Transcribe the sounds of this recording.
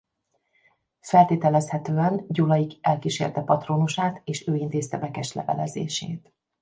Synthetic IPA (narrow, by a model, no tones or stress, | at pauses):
fɛlt̪eːt̪ɛlɛshɛt̪øːɛnɟulɒjiɡɛlkiʃḛːrt̪ɛpɒt̪roːnuʃaːt̪eːʃøːint̪eːst̪ɛvɛkɛʃlɛ̰vɛ̰lɛzḛːʃḛːt̪